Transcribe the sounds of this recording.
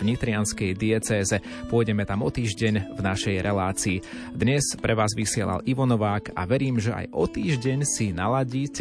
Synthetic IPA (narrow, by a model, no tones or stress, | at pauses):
ɲit̪ɾɪanskɛjd̪iɛt͡sɛːzɛ | pʊɔjɟɛmɛt̪amɔt̪iːʒɟɛɲvnaʃɛjɾʔɛlaːt͡siː | d̪ɲɛspɾɛʋaːzʋisɪɛla̰liʋɔnɔʋaːka̰ʋɛɾiːmʒɛʔa̰jʔɔt̪iːʒɟɛɲsinalaɟiːc